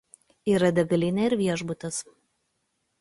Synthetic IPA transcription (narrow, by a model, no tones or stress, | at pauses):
iːɾɐd̪ʲɐɡɐlʲɪnʲɛɪɾʋʲiɛʒbʊt̪ɐs